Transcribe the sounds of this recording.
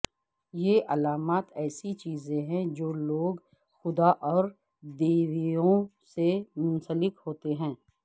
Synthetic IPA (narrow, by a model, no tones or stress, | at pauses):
jeʔɐlaːmaːt̪ɛːsit͡ʃiːzẽɦɛ̃d͡ʒoːloːɡ | xʊd̪aʔɔːɾ | d̪eːʋijõsemʊ̃nsəlɪkhoːt̪eɦɛ̃ː